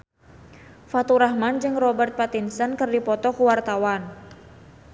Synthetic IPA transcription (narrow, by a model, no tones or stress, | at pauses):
fat̪uɾahmand͡ʒɨŋrɔbɛrt̪̚pat̪insənkɨrdipɔt̪ɔkuwart̪awan